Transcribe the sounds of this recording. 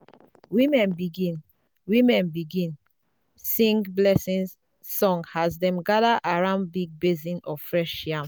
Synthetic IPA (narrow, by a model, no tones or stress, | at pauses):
wimɛ̃nbiɡĩn | wĩmɛ̃nbiɡĩn | sĩŋɡblɛsĩnsː | ɔ̃ŋhazdɛ̃mɡadaʔaɹãʊnd̚biɡ̚bezĩnɔfɹɛʃjãm